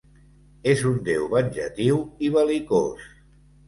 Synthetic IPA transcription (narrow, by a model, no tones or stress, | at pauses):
ezund̪ewβənʲʒə̰t̪iwiβəliko̰s